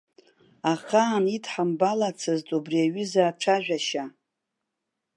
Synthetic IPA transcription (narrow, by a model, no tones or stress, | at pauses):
aχaːnitʰħambalat͡sʰɨztʼubriaɥʏzaːʈ͡ʂʰaʒᶣaʃa